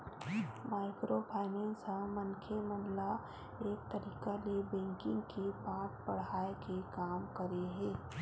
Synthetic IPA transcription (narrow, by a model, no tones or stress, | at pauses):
maːɪkɾopʰaːɪnɛ̃ːnsə̃mənkʰemənla | eːk̚t̪əɾiːkalebɛ̃ːŋkɪ̃ŋɡkepaːʈ̚pɐɽ̤aːekekaːmkəɾeɦɛ̃ː